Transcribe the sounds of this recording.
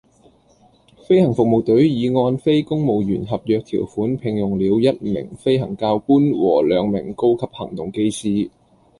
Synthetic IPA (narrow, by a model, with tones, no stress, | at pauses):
fe˥jhɐ˨˩ŋfʊ˨k̚mo˨˩wt̪ɵ˨˥ɥjiː˨˧ŋɔː˧nfe˥jkʊ˥ŋmo˨wjyː˨˩nɦɐ˨p̚jœː˨˧k̚t̪ʰḭː˨˩wfuː˨˥npʰɪ˨ŋjʊ˨˩ŋliː˨˧wjɐ˥t̚mɪ̰˨˩ŋfe˥jɦɐ˨˩ŋkaː˧wkuː˥nwɔ̰ː˨˩lœː˨˧ŋmɪ̰˨˩ŋko˥wkʰɐ˨p̚hɐ̰˨˩ŋt̪ʊ˨ŋke˥jsiː˥